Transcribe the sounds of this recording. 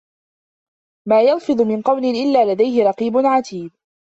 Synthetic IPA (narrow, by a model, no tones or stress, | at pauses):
maːjɑlfɨd̪ˤʊmɪnqɑwnɪʔɪlːaːlad̪ajhɪɾˤɑqiːbʊnʕat̪iːb̚